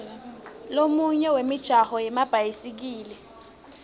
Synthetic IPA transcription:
lomuɲɛwemɪd̥ʒ̥ʱahɔjɪmab̥ʱajisik̬iːlɪ

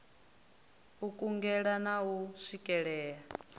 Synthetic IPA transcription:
ukʼuŋɡɛɺanauʂikʼɛɺɛːɺa

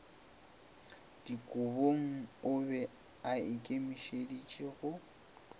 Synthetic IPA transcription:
d̥ikʼʊboŋ̩ʊbɛ | aɪkʼemiʃedit͡ʃʼeɣʊ

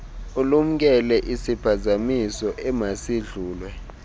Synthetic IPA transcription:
ulum̩k̬ɛlɛʔisipʰazamisɔʔɛmasiɮuːlwɛ

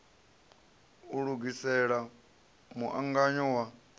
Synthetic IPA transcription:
uɺuɡisɛɺa | muʔaŋɡaɲɔwa

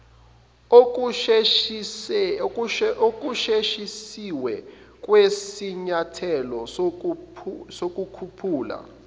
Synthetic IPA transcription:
ok̬ʼuʃeʃisiwɛ | k̬ʼwesiɲatʰɛlɔ | sok̬ʼukʰupʰuːla̰

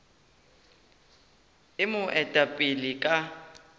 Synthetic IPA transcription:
ɪmʊʔɛtʼapʼɪlikʼa

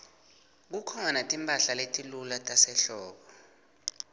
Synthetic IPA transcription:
k̬ukʰɔnatʼimpʼaɬaletʼilulatʼasɛɬɔːɓɔ

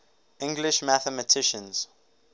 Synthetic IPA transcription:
ʔɪ̃ŋɡlɪʃmæθəmətʰɪʃə̃nz̥

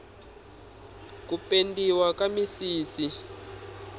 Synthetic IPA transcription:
k̬upendiwakamisiːsi

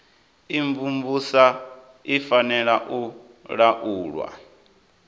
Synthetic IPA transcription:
iɱvumbusa | ifanɛɺaʔu | ɺaʔuːɺwa̰

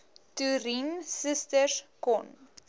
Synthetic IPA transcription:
tuɾinsəstəskɔn

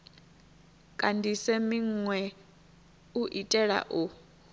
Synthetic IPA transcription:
kʼandʱisɛmiŋwɛ | uʔitʼɛɺa̰ʔu

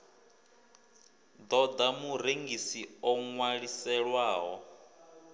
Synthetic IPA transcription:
d̪ɔd̪amuɾeŋɡisiɔŋwaɺisɛɺwaːɦɔ

